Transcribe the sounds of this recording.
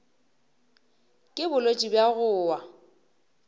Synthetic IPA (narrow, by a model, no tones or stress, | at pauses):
kʼɪbʊlot͡ʃʼibjaɣʊːwa